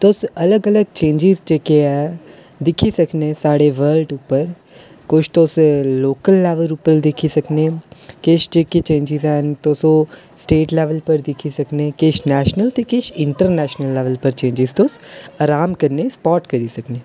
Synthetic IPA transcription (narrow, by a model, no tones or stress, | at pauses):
t̪oːsɐləɡələɡ̚t͡ʃẽːɲd͡ʒɪzd͡ʒeːkeɛː | d̪ɪkʰisəkneːsaːɽeʋəːlɖʊpːəɾ | kʊʃʰt̪oːsloːkəlːɛːʋəɾupəɾd̪ɪkʰisəkneːkeʃd͡ʒeːket͡ʃẽːɲd͡ʒɪzɛːnt̪oːsõ | sʈeːʈlɛːʋəlpəɾd̪ɪkʰisəkneːkeːʃnɛːʃnəlt̪ekeːʃɪ̃ɳʈəɾnɛːʃnəlːɛːʋəlpəɾt͡ʃẽːɲd͡ʒɪzt̪oːsaɾaːmkəɾnespɔːʈkəɾisəkneː